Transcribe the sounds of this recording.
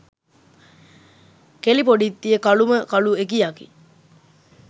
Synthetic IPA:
kelipoɖit̪ːijəkɐluməkɐluekijakḭ

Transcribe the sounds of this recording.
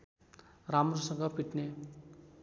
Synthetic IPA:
ɾamrosʌŋɡʌpiʈne

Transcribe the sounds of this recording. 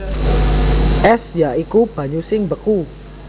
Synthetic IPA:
ʔɛsjaʔikub̥a̤ɲusɪŋbəku

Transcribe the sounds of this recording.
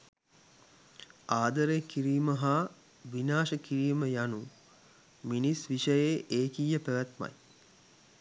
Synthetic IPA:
aːd̪əɾekiɾiːməɦa | ʋinaːʃəkiɾiːməjanu | minisʋiʃəjeʔeːkijːəpæʋæt̪ma̰j

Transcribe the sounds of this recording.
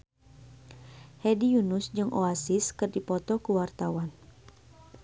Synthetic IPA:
hɛdijunʊsd͡ʒɨŋʔoasiskɨrdipɔt̪ɔkuwart̪awan

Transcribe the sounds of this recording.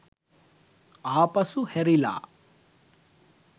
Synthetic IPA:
aːpɐsuheɾila̰ː

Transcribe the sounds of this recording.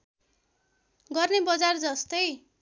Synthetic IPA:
ɡʌrnebʌd͡zard͡zʌst̪ʌj

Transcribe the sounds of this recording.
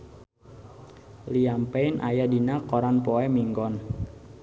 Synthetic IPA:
liampeinʔa̰jadinakɔɾanpɔɛmiŋɡɔn

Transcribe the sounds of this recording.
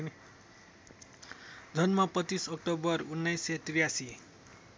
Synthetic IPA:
d̪ʱʌnmapʌt͡sisʌk̚ʈobʌrunːʌjsʌt̪rijasi

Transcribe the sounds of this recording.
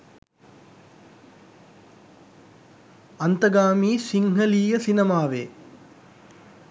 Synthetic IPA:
ant̪əɡaːmiːsiŋɦəliːjəsinemaːʋeː

